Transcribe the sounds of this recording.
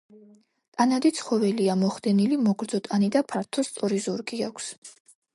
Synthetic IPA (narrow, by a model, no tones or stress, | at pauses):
t̪ʼanad̪it̪sʰχɔvɛliamɔχd̪ɛnilimɔɡɾd̪z̥ɔt̪ʼanid̪apʰaɾt̪ʰɔst̪sʼɔɾizuɾɡʼiakʷʰs